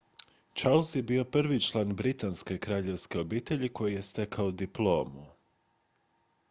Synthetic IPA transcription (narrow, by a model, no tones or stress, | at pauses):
t͡ʃaɾlˠsje̞bio̞prʋit͡ʃlˠaːnbɾit̪anske̞kɾaːʎe̞ʋske̞o̞biːt̪eʎiko̞jije̞st̪e̞kʰaod̪iplˠo̞ːmu